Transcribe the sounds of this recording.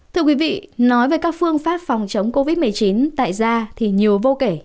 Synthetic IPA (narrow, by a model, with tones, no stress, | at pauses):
t̪ʰɨ˧əkwi˨˦vḭ˧˨nɔ˨˦jveː˨˩jkaː˦˥k̚fɨ˧əŋfaː˦˥p̚fɔ˨˩wŋ͡mt͡ɕə˨˦wŋ͡mko˧vi˦˥t̚mɨ˨˩əjt͡ɕi˨˦nt̪a̰ː˧˨jzaː˧t̪ʰi˨˩ɲi˨˩əwvo˧ke˧˩